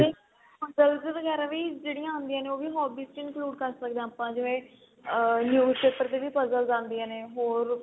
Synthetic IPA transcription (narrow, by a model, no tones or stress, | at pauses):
t̪eː | pəzəlzeːʋəɡɛːɾãːʋiːd͡ʒeːɽijãːʊːnd̪ijãːneːoːʋiːɦɔːbiːsʈɪnkluːɖkəɾsəkd̪ẽãːpãːd͡ʒɪʋẽː | njuːzpeːpəɾt̪eːʋiːpəzəlzãːnd̪ijãːneːɦoːɾ